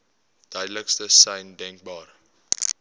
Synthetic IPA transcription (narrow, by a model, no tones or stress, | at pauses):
d̥œɥdləkstəsɛjndɛŋk̚bɑːr